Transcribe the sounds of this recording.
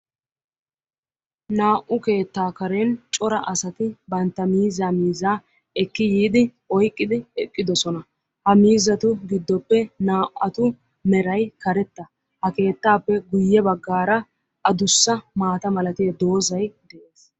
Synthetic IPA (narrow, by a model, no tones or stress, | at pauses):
naːʔʊke̞ːt̪ːaːkɐɾent͡ʃʼɔɾɐʔɐsɐt̪ɪbɐnt̪ːɐmiːzamiːzaː | ɛkːɪjiːd̪ɪ | ɔjkʼːɪd̪ɪɛkʼːɪd̪ɔsɔnɐ | hɐmiːzɐt̪ʊɡɪd̪ːɔpːɛnaːʔɐt̪ʊ | mɛɾɐjkɐɾɛt̪ːɐ | hɐke̞ːt̪ːaːpːɛɡʊjːɛbɐɡːaːɾɐ | ɐd̪ʊsːɐmaːt̪ɐmɐlɐt̪ɪjɐd̪o̞ːzɐjd̪ɛʔeːs